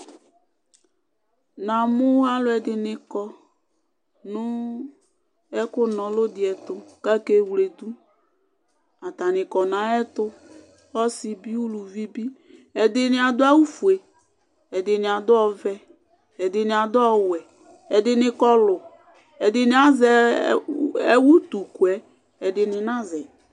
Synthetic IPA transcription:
nã˨mʊ˦a˦lʊ˨˦ɛ˨dɪ˨nɪ˨kɔ˨ | nʊ˦ | ɛ˦kʊ˦nɔ̃˨lʊ˦dɪ˨ɛ˨tʊ˨ka˦ke˦wle˨d̪u˦ | a˨t̪a˨nɪ̃˨kɔ˨nã˨˦ɛ˦t̪ʊ˦ | ɔ˦sɪ˨bi˦u˦lu˨vi˦bi˦ | ɛ˨dɪ˨nɪ˨a˨d̪ʊ˦a˦wu˦fu˨e˨ | ɛ˨dɪ˨nɪ˨a˨d̪ʊ˦ɔ˦vɛ˦ | ɛ˨dɪ˨nɪ˨a˨d̪ʊ˦ɔ˦wɛ˨ | ɛ˨dɪ˨nɪ˨kɔ˦lʊ˨ | ɛ˨dɪ˨nɪ̃˨˦a˦zɛ˨ | ɛ˦wu˦t̪u˨ku˨ɛ˨˦ | ɛ˨dɪ˨nɪ˨nã˦zɛ˨

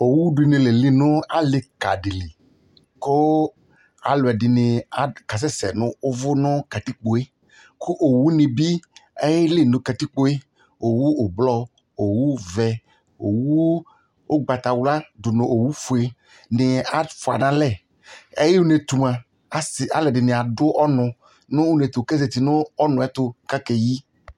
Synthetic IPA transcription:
o˨wu˦dʊ˨i˨nɪ̃˨le˨li˦nʊ̃˦a˦lɪ˨ka̰˨ɖɪ˨li˨ | ko˦ | a˨lʊ˨ɛ˨dɪ˨nɪ˨a˨ka˨s̬ɛ˦sɛ̰˨nʊ̃˦ʊ˦vʊ˦nʊ̃˦ka˨t̪i˦k͡po˨e˦ | kʊ˦ʔo˨wu˦nɪ̃˨bi˦e˦jɪ˦lɪ˦˨nʊ̃˨ka˨t̪i˦k͡po˦e˦ | o˨wu˦o˨blɔ˦ | o˨wu˦vɛ˨ | o̰˨wu˦ | ʊ˦ɡ͡ba˨t̪a˨wla˦dʊ˨nʊ̃˨ʔo˨wu˦fu˨e˨ | nɪ˨a˨fʊ˨a˨nã˦lɛ˦˨ | ɛ˦jɪ˦u˦ne˨t̪u˨mã˨ | a˨lɛ˨dɪ˨nɪ˨a˨dʊ˦ʔɔ˦nʊ̃˨ | nʊ̃˦u˦ne˨t̪ʊ˨kɛ˦ze˨t̪i˨nʊ˦ɔ˦nʊ̃˨ɛ˦t̪ʊ˦ka˦kɛ˨ji˦

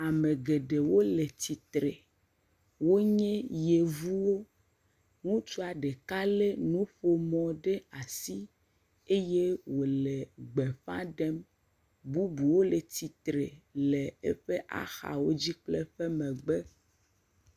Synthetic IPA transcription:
a˨mẽ˨ɡe˨ɖe˨wo˦le˨t̪i˨t̪ɾe˨ | wo˦ɲɛ̃˦je˨vu˦wo˦ | ŋũ˦t͡ʃo˦a˨ɖe˨ka˦le˦nũ˦ɸo˨mɔ̃˨ɖe˦a˨si˦ | e˦je˦wo˨le˨ɡ͡be˨ɸã̰˦ɖɛ˦m | bu˦bu˨wo˦le˨t̪i˨t̪ɾe˨le˨ḛ˦ɸe˦ʔa̰˦xa̰˨wo˦d͡ʑi˦k͡plɛ˦ɸɛe˦mɛ̃˨ɡ͡bɛ˦

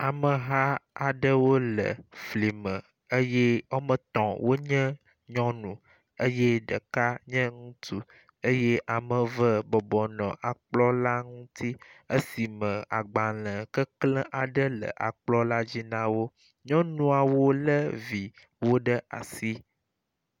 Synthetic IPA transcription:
a˨mə˨ɦa˦a˨ɖə˦wo˦lə̰˨fli˨mə̃˨ | ə˦jɛ˦o˦mə̃˨t̪ɔ̃˨wʔo˦ɲə̃˦ | ɲɔ̃˦nũ˨ | ə˦je˦ɖə˨ka˦ɲə̃˦ŋũ˦t̪ʰu˦ | ə˦je˦ʔa˨mə̃˨və˦bɔ˨bɔ˨nɔ̰̃˨ʔa˨k͡plɔ˦la˦ŋũ˦t̪ʰi˦ə˦si˨mə̃˨a̰˨ɡ͡ba˨lə̃˨kə˦klə̃˦ʔa˨ɖə˦lə̰˨ʔa̰˨k͡plɔ˦la˦d͡ʑi˦nã˦wo˦ | ɲɔ̃˦nũ˦a˨wo˦lə˦vi˨ | wo˦ɖə˦ʔa˨si˦

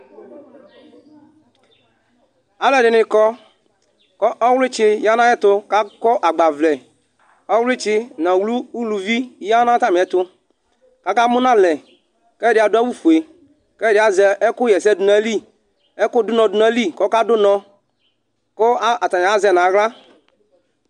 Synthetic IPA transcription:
a˨˦lɛ˨dɪ˨nɪ˨kɔ˦ | kɔ˦ʔɔ˦wlɪ˦t͡ʃɪ˦ja˦nã˦jɛ˦t̪ʊ˦ka˦kɔ˦ʔa˨ɡ͡ba˨vlɛ˨ | ɔ˦wlɪ˦t͡ʃɪ˦nã˨wlu˦u˦lu˨vi˦ja˦nã˦t̪a˦mi˨ɛ˦t̪ʊ˦ | ka˦ka˦mʊ˦nã˦lɛ˨ | kɛ˦dɪ˨˦a˨dʊ˦a˦wu˦fu˨e˨ | kɛ˦˨dɪ˨˦a˨zɛ˨ɛ˦kʊ˦jɛ˨sɛ˦˨dʊ˨na˨˦li˦ | ɛ˦kʊ˦dʊ˦nɔ̃˨dʊ˨na˨˦li˦kɔ˦ka˦dʊ˦nɔ̃˧ | ko˦a˦a˨t̪a˨ɲa˨a˦zɛ˨nã˨˦ɣla˦

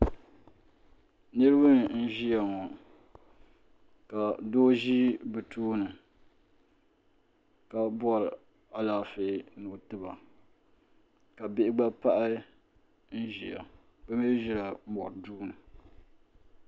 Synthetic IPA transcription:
nɨ˦ɾɨ˦bɨ˦n˨n̩˦ʒi˦ja˨ŋɔ˨ | ka˨doː˦ʒi˦bɨ˨tʰuː˦nɨ˨ | ka˨bɔ˦ɾ | a˨laː˦fe˨nu˨tɨ˦ba̰˨ | ka˨bɪ˦ʔɪ˦ɡ͡ba˦pa˦ʔa˦ | n̩˦ʒi˨a̰˨ | bɨ˦me˦ʒi˦la˨˦mɔ̰˨ɾduː˦nɨ˨

